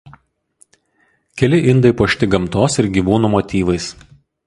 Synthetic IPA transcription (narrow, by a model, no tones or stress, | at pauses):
kʲɛlʲɪʔɪnd̪ɐɪpoːʃʲt̪ʲɪɡɐmt̪oːsɪɾɡʲiːʋuːnuːmɔt̪ʲiːʋɐɪs